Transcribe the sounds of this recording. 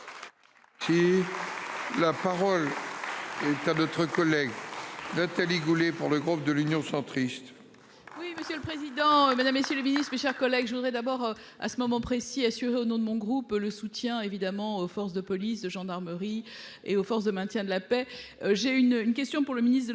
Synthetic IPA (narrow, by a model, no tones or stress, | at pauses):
si | lapaʁɔl | ɛt̪anɔt̪χəkɔlɛɡnat̪aliɡulepuʁləɡʁup̚d̪əlynjɔ̃sɑ̃t̪χist̪ | wiməsjøləpχezid̪ɑ̃mad̪amːesjøləminist̪χmeʃɛʁkɔlɛɡʒəvud̪ʁɛd̪abɔʁ | a̰səmɔmɑ̃pχesiasyʁeonɔ̃d̪əmɔ̃ɡʁupləsut̪jɛ̃evid̪amɑ̃ofɔʁsd̪əpɔlisd̪əʒɑ̃d̪aʁməʁi | eofɔʁs̬d̪əmɛ̃t̪jɛ̃d̪əlapɛʒeynynk̬ʲɛst̪jɔ̃puʁləminist̪d̪ə